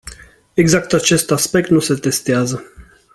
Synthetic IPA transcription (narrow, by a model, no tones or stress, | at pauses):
eɡzakt̪at͡ʃe̞st̪aspe̞k̚t̪nuse̞t̪e̞st̪eazə